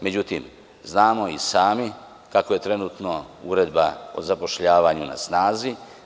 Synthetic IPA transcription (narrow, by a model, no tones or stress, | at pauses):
me̞d͡ʑut̪im | znaːmo̞isaːmi | kako̞je̞t̪ɾe̞nuːt̪no̞uɾe̞d̪bao̰zapo̞ʃʎaːʋaːɲuna̰snaːzi